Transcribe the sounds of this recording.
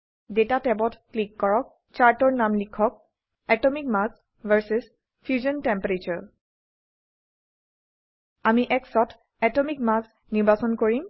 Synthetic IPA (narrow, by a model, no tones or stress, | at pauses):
detatɛbɔtklikːɔɹɔk̚ | t͡ʃaɹtɔɹnamlikʰːɔk̚ | ɛtɔmikmas | vɛɹsiz | pʰjuzɔntɛmpɹet͡ʃɔɹ | amiʔɛksɔtʰ | ɛtɔmik̚mas | niɹbasɔnkoɹim